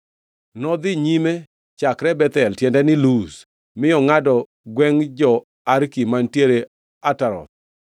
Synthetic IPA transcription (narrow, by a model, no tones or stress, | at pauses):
nɔd̪ɪɲime | t͡ʃakɾɛbɛt̪ɛltjɛndɛnɪlus | mɪjɔŋadɔ | ɡwɛŋd͡ʒɔ | aɾkimantjeɾe | ataɾɔ̰t̪̚